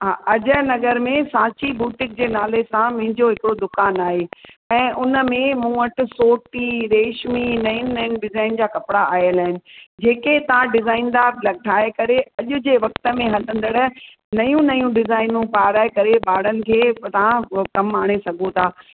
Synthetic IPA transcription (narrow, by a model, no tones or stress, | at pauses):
ɦaːʔɐʄəɦnɐɡəɾmẽsaːt͡ɕibuːʈɪ̃k̚d͡ʑeːnaːlesãm̃ɦɪ̃ɲd͡ʑoɦɪkɪɽod̪ʊkaːnaːɦe | ɛ̃ːʔʊnə̆mẽmũːəʈɪ̆soːʈiɾeːʃminɐjĩnɐnɖɪzaːɪnd͡ʑaːkɐpɪɽaʔaːɦjəlaːɦɪnɪ̆d͡ʑeːket̪ɐʋ̤ãɖɪzaːind̪aːɾlɐɡ̚ʈʰaːekɐɾeɐʄʊ̆d͡ʑeːʋɐk̚t̪ə̆mẽɦɐlə̃nd̪əɽə | nɐjũnɐjũɖɪzaːɪnũpaːɾaːekɐɾebaːɽ̤ənɪ̆kʰeːt̪ɐʋãkɐmaːɽ̃esɐɡʱot̪ʰaː